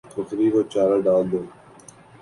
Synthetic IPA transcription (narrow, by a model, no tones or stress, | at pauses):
fʰʊkɾiːkoːt͡ʃaːɾaɖaːld̪oː